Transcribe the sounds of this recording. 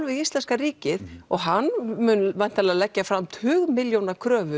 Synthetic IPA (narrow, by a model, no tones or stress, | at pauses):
lvɪðist̪lɛnskaɾiːcɪðɔɣɦanːmʏnvajn̥t̪alɛðalɛcːafɾamt̪ʰʏːɣmɪljownakʰɾœːvʏ